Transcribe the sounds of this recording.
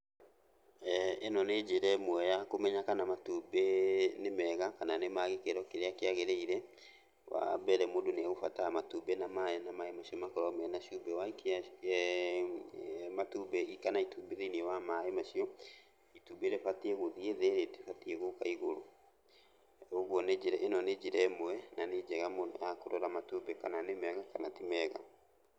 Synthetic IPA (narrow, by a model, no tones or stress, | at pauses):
enɔned͡ʑeɾɛmwɛjakomɛɲakanamatubenemɛɣakananemaɣekeɾɔkeɾeakeaɣeɾeiɾɛ | wa̰bɛɾɛmodoneaɣofa̰tamatubenamaenamaemaɕiɔmakɔɾɔmɛnaʃubɛwaika | matubɛikanaitubeðeiniɛwamaemaʃiɔ | itubeɾefateɛɣoðieðeɾetefatieɣokaiɣoɾo | oɣwɔned͡ʒeɾɛʔenɔned͡ʒeɾɛemwɛnaned͡ʒɛɣamoakoɾɔɾamatubɛkananemeaɣakanatimɛɣa̰